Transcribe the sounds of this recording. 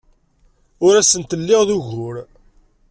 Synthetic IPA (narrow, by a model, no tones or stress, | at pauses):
ʊɾæsənt̪əlːɪʁðuʝʊɾ